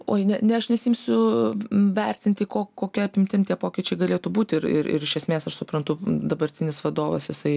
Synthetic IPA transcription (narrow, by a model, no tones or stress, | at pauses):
o̰ːjnʲɛnʲɛɐʃnʲɛsʲiːmʲsʲʊ | ʋʲɛrʲt̪ʲɪnʲt̪ʲɪkoːkkːoːkʲiɛɐpʲɪmʲt̪ʲɪmt̪ʲiɛpoːkʲɪt͡ʃʲɛɪɡɐlʲeːt̪uːbuːt̪ʲɪɾɪ̰ɾɪ̰ɾɪʃʲɛsʲmʲeːsɐʃsʊpɾɐnt̪ʊd̪ɐbɐɾʲt̪ʲɪnʲɪsʋɐd̪oːʋɐ̰sjɪsɐɪ